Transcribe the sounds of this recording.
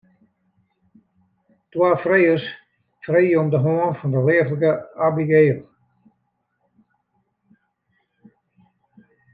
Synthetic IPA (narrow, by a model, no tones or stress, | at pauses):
twaːfrejəs | frejɔmdəɦoənfɔndəlɪərəlɡəabiɡeːl